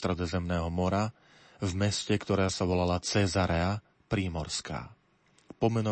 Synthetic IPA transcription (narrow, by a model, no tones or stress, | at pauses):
t̪ɾɛd̪ɔzɛmnɛːɦɔmɔɾa | vmɛscɛkt̪ɔɾaːsaʋɔlalat͡sɛzaɾɛa | pɾiːmɔɾska̰ː | pɔmɛnɔ